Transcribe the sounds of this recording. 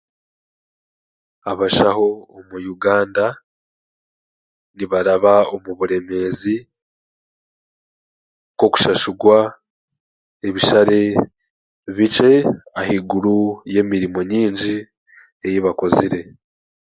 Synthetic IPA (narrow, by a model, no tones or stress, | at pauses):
aβaʃaho̞ːmujuɡaːnda | niβaɾaβaomuβuɾe̞me̞zi | ko̞ku̥ʃaʃuɡwa | eβiʃaɾe̞ | βit͡ʃe̞ahiɡuɾuje̞ːmiɾimo̞ɲiːɲɟi | ejiβako̞ziɾe̞